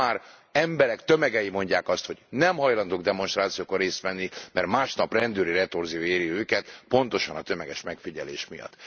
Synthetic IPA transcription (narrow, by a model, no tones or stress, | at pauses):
aːr | ɛmbɛɾɛkt̪ømɛɡɛjimo̞ɲɟaːkɒst̪ho̞ɟnɛmɦɒjlɒnd̪oːɡd̪ɛmo̞nʃt̪raːt̪sijoːkorːeːst̪ʋɛnːimɛrmaːʃnɒprɛnd̪øːɾiɾɛt̪orzioːeːɾiøːkɛt̪po̞nt̪o̞ʃɒnɒt̪ømɛɡɛʃmɛkfiɟɛlḛːʃmijɒ̰t̪ː